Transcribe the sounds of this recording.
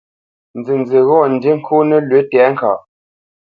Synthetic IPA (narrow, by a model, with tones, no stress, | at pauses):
nd͡ze˨n˨d͡ze˨ɣɔ˦˨n̩˨de˦ŋ̩˦kʰu˦nə˦lwe˨˦tɛ˨˦ŋ̩˦ka̰˨ʔ